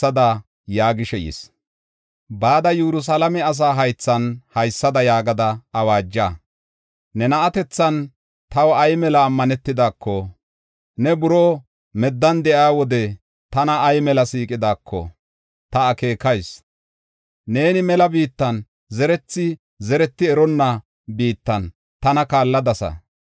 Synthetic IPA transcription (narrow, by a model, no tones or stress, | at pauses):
ɐd̪ɐ | jaːɡɪʃɛjḭs | baːd̪ɐjɛɾʊs̬ɐlɐmɛɐs̬aːɦɐjt͡sːɐnhɐjsːɐd̪ɐjaːɡɐd̪ɐɐwaːd͡ʒːaː | nɛnɐʔɐt̪ɛt͡sːɐn | t̪ɐwɐjmɛlɐːmːɐnɛt̪ːɪd̪aːkːɔ | nɛbʊɾoː | mɛd̪ːɐnd̪ɛʔaːwɔd̪ɛ | t̪ɐnɐːjmɛlɐsiːkʼɪd̪aːkʰːɔ̰ | t̪ɐːke̞ːkɐjs | ne̞ːnɪmɛlɐbiːt̪ːɐn | zɛɾɛt͡sːɪ | zɛɾɛt̪ːɪɛɾɔnːɐ | biːt̪ːɐn | t̪ɐnɐkaːlːɐd̪ɐsɐ̰